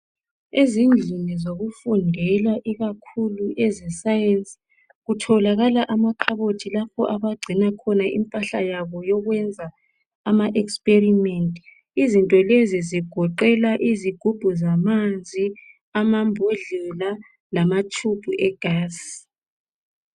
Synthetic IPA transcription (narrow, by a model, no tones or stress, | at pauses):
ezind͡ɮʱinizoɣufundʱɛlaʔiɣakʰuluʔɛzɛsajensʼ | ɣutʰɔlaɣalaʔamaǃʰaβotʰilapʰɔʔaβaɡ͡ǀʱinakʰɔnaʔḭmpʼaɬa̰jaβɔjɔɣwɛnd͡zʱa | amaʔɛkspʼerimentʼi | izintʼɔleziziɡ̥ʱɔǃɛlaʔiziɡ̥ʱub̥ʱuzamand͡zʱi | amambʱoɮula | lamatʰub̥ʱuʔɛɡ̥ʱaːs